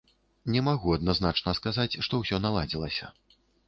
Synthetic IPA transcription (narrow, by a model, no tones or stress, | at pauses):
nʲɛmaɣuɐd̪naznat͡ʂnɐskazat͡sʲʂt̪ɔwsʲɔnalˠad͡zʲilˠɐsʲɐ